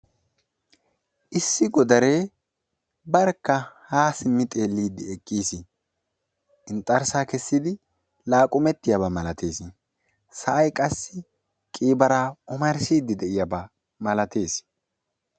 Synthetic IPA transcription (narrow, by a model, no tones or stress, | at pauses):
ʔɪsːɪɡɔd̪ɐɾeː | bɐɾkːɐhaːsɪmːɪt̪ʼe̞ːlːiːd̪ɪɛkʼːiːsɪ | ɪnt̪ʼːɐɾsaːkɛsːɪd̪ɪ | laːkʼʊmɛt̪ːɪjɐbɐmɐlɐt̪e̞ːs | sɐʔɐjkʼɐsːɪ | kʼiːbɐɾaɔmɐɾsiːd̪ːɪd̪ɛʔɪjɐbɐ | mɐlɐt̪e̞ːs